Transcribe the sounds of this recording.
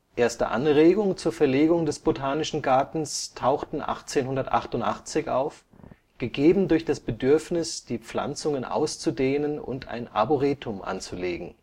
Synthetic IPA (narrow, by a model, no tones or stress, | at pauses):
ʔeːɐstə̰ʔa̰nʁeːɡʊŋt͡suːɐfɛɐleːɡʊŋdɛsb̥otʰaːnɪʃn̩ɡaɐtn̩stʰaʊxtn̩ʔa̰χt͡seːnɦʊndɐtʔa̰χtʊntʔaχt͡sɪçʔa̰ʊf | ɡ̥əɡeːbm̩dʊɐçd̥asb̥ədʏɐfnɪsd̥iːp͡fla̰nt͡sʊŋənʔa̰ʊst͡sudeːnənʊ̰ntʰa̰ɪna̰boʁeːtʰʊmʔa̰nt͡suleːɡŋ̩